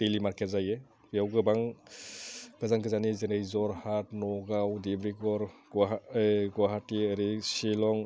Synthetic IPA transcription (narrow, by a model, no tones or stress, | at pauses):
telimaɾket̚zaje | pijawɡɯbaŋ | ɡ̥azaŋkʰɯzanizenejzɔɾhat̚nɔɡawdibɾiɡɔɾ | ɡwaɦatiəɾisilɔŋ